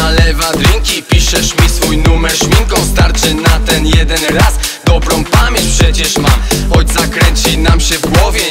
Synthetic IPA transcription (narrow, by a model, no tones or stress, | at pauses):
alɛvad̪ɾʲiŋkʲipʲiʂɛʂmʲisfujnumɛɾʂmʲiŋkɔ̃wst̪aɾt͡ʂɘnat̪ɛnjɛd̪ɛnɾasd̪ɔbɾɔ̃w̃pamʲeɲt͡ɕʲpʂɛt͡ɕɛʂmaɔjt̪sakɾɛɲt͡ɕinamɕɛvɡwɔvʲjɛ